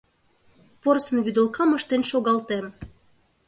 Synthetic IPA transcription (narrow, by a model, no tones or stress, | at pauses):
porsə̆nβyd̪ə̆lkɑməʃt̪enʃoɣɑlt̪em